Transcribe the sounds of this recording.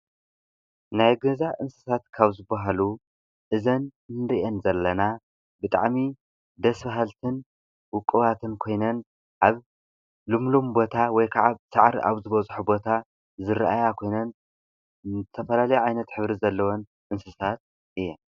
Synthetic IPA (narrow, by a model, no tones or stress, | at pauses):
najɡɐzaʔɨnsɨsat̪kʰaβzɨbaɦalu | ʔɨzɐnnɾiʔɛnzɐlːɐna | bɨt̪ʼa̰ʕmi | d̪ɐsbaɦalt̪ʰɨn | wʊkʼːɨβat̪ʰɨnkʰo̞jnɐn | ʔaβ | lɨmlombo̞t̪ʰawɔjkʰaʕaβsaʕɾiʔa̰βzɨβɐt͡sʼħubo̞t̪ʰa | zɨɾʔajakʰo̞jnɐn | zɨt̪ʰɐfɐlalɐjuʕajnɐt̪ħɨβɾizɐlːɐwon | ʔɨnsɨsat̪̚ | ʔɨjːɛ